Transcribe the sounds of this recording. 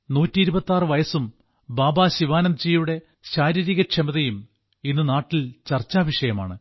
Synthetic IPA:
nuːtːiiɾubɐt̪ːaːrɨʋɐjɐsum | baːbaːɕiʋaːnɐmd͡ʑiːjuɽe̞ | ɕaːɾiɾiɣɐkʂʰemɐðɐjum | inːɨnaːʈːilt͡ɕɐrt͡ɕːaːʋiʂɐjɐma̰ːɳɨ

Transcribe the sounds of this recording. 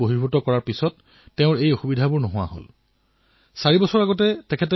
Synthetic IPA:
oɦibʱutɔkɔɹaɹpisɔtː | ɛʊ̃ɹejɔxubidʱabʊɹnɔɦʊwa̰ɦo̰l | saɹibɔsɔɹaɡɔt̬ɛtɛkʰɛtɛ

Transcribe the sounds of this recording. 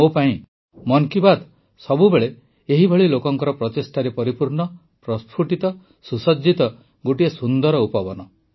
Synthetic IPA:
opaĩ | mɔŋkibad̪ | sɔbubeɭe | eɦibʱɔɭilokɔŋkɔɾɔpɾɔt̪esʈʰaɾepɔɾipuɾɳɔ | pɾɔspʰuʈit̪ɔ | susɔd͡ʒːit̪ɔ | ɡoʈiesund̪ɔɾɔupɔbɔnɔ

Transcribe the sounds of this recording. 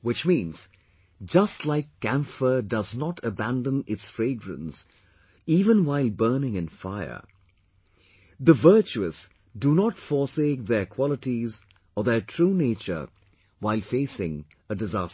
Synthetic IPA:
wɨt͡ʃmĩːnz̥ | d͡ʒʌstˡlaɪkːæ̃ɱfə˞dʌznɔtʰəbæ̃ndə̃nɪtsfɹeɪɡɹə̰̃ns | iːvə̃nwaɪlˠbɜ˞nɪ̃ŋɨ̃nfaɪə̰˞ | ðəvɜ˞t͡ʃuɨs | dunɔtfɔseːk̚ðə˞kʰw̥ɔlˠətiz | əðə˞tʰɹ̥uneɪt͡ʃə̰˞ | waɪlˠfeɪsɪ̃ŋ | ədɨzas

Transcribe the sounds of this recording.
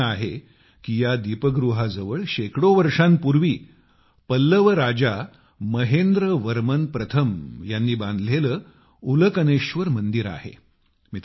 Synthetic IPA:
aɦe | kijad̪ipəɡɾuɦad͡zəʋəɭɕekɽoʋəɾʂanpuɾʋiː | pəlːəʋəɾad͡ʑa | məɦend̪ɾəʋəɾmənpɾət̪ʰəmjanːiːbãnd̪ʱleləː | uləkəneɕʋəɾmənd̪iɾa̰ɦḛ | mit̪

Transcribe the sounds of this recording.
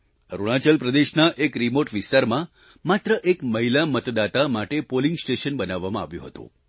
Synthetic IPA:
ɾuɽ̃at͡ʃəlpɾəd̪eʃnaʔekɾimoʈʋɪst̪aɾmã | mat̪ɾəʔekməɦilamət̪d̪at̪amaʈepolĩŋɡsʈeʃənbənaʋːamãa̰ʋjṵ̃ɦət̪ṵ̃

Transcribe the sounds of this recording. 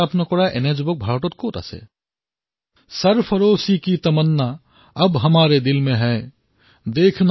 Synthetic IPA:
əpnokoɽaʔḛned͡ʒbək̚bʱaːɾʈot̪̚kot̪a̰sḛ | səɾpʰəɾoːsikit̪əmənːa | əbɦəmaːɾed̪ilmẽɦɛ | d̪eːkʰn

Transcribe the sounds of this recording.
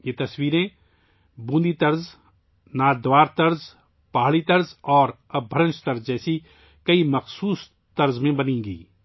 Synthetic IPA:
jet̪ɐswiːɾẽ | bũːnd̪it̪ɐɾz | naːd̪waːɾt̪ɐɾz | paːɦɭit̪ɐɾzɔːɾ | ɐbʱəɾə̃nt͡ʃt̪ɐɾzd͡ʒɛːsi | kɐimɐxsuːs | t̪ɐɾzmẽbɐnẽːɡḭː

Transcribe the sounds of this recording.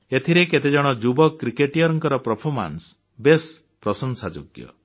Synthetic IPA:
et̪ʰiɾeket̪ed͡ʒɔɽ̃ɔd͡ʒubɔkɾikeʈijɔɾɔŋkɔɾɔpɾɔpʰɔɾma̰ns | bes | pɾɔsɔnsad͡ʒo̰ɡjɔ̰

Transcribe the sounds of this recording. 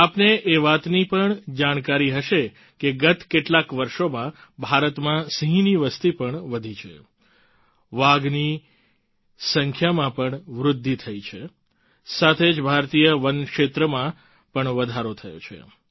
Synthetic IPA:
apneʔeʋat̪nipəɳd͡ʒaɽ̃kaɾiɦəʃe | keɡət̪keʈlakʋəɾʃomãbʱaɾət̪mãsiɦĩniʋəst̪ipəɳʋəd̪ʱit͡ʃʰḛ | ʋaɡni | səŋkʰjamãpəɳʋɾʊd̪ʱːit̪ʰəit͡ʃʰe | sat̪ʰed͡ʒbʱaɾt̪ijəʋənkʃet̪ɾəmã | pəɳʋəd̪ʱaɾot̪ʰəjo̰t͡ʃʰḛ

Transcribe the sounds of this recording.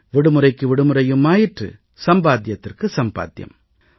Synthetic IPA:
ʋɪɽɯmɯɾɐɪkːɯʋɪɽɯmɯɾɐjɯmːaːjɪʈrɯ̰ | sɐmbaːt̪̬jɐt̪ːɪrkɯsɐmba̰ːt̪jɐ̰m

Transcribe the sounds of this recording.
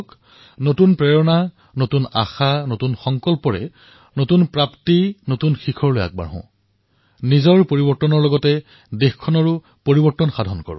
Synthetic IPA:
k | notunpɹɛɹɔna | notuna̰xanotunxɔŋkɔlpɔɹɛ̰ | notunpɹaptinotunxikʰɔɹloja̰k̚ba̰ɹɦɔ̰̃ | nizɔɹpoɹibɔɹtɔnɔɹlɔɡɔtɛ | dexkʰɔnɔɹʊ | poɹibɔɹtːɔnxadʱɔnkɔ̰ɹʊ̰̃

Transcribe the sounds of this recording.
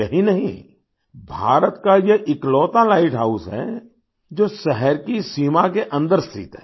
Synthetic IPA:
ɐɦĩnɐɦḭ̃ | bʱa̰ːɾət̪kajeʔɪklɔːt̪alaːɪʈɦaːusɦɛ̰ | d͡ʒoːsɛɦɛɾkisiːmakeʔɐ̃nd̪əɾst̪ʰɪ̰t̪ɦɛː

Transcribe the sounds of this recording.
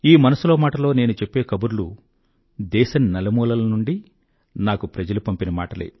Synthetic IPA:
iːmɐnɐsuloːmaːʈɐlo̞ːne̞ːnut͡ʃe̞pːe̞ːkɐbuɾulu | d̪ɛːʃɐnnɐlɐmuːlɐlɐnuɳɖi | naːkupɾɐd͡ʒɐlupɐmpinɐma̰ːʈɐlḛː

